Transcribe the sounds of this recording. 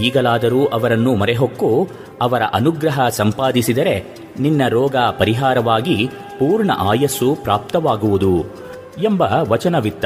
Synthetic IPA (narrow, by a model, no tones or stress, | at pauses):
iːɡɐlaːd̪ɐɾuːʔɐʋɐɾɐnːumɐɾeɦokːu | ɐʋɐɾɐ̰ʔɐnuɡɾɐɦɐsɐmpaːd̪isid̪ɐɾe̞ | ninːɐɾɔːɡaːpɐɾiɦaːɾɐʋaːɡi | puːɾɳɐ̰ʔaːjɐsupɾaːp̚t̪ɐʋaːɡuʋud̪u | embɐʋɐt͡ʃɐnɐʋit̪ːɐ